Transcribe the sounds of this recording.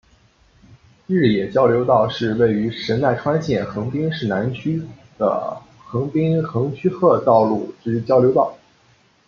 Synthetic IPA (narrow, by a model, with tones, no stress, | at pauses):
ɻɻ̩˥˩jɛ˨˩t͡ɕjɑ˥ʊljo˧˥ʊt̪ɑ˥˧ʊʂɻ̩˥˧we˥˩ɪy˧˥ʂə˧˥nt̪a˥˩ɪʈ͡ʂʰwa˥nɕjɛ˥˩nxɤ˧˥ŋpi˥ŋʂɻ̩˥˩na˧˥nt͡ɕʰy˥d̪ə̰˩ | xɤ˧˥ŋpi˥ŋxɤ˧˥ŋt͡ɕʰy˥xɤ˥˧t̪ɑ˥˧ʊlu˥˩ʈ͡ʂɻ̩˥t͡ɕjɑ˥ʊljo˧˥ʊt̪ɑ˥˩ʊ